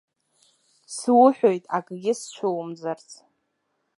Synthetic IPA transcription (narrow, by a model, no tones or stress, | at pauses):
swʊħᶣojtʼakʼɡʲɪst͡ʃʷʰowmd͡zart͡sʰʼ